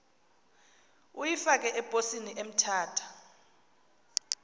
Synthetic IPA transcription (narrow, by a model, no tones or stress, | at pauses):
ujifak̬ʼɛʔɛb̥ʱosiniʔem̩tʰaːtʰḁ